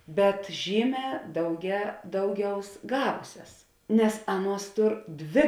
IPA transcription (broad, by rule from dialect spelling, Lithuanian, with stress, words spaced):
bʲɛt ˈʒʲiːˌmʲɛː dɐʊɡʲɛ ˈdɐʊˌɡʲɛʊs ˈɡɑːʋʊsʲɛs nʲɛs ˈɑːˌnuɔs ˈtʊr ˈdʲʋʲeː